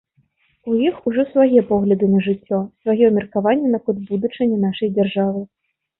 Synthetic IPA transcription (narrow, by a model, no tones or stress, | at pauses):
ujixuʐɔsvajɛpɔɣlʲɐd̪ɨnɐʐɨt͡sʲːɔsvajɛmʲirkavanʲːɛnɐkɔd̪bud̪ut͡ʂɐnʲːɛnaʂɐjd͡zʲarʐavɨ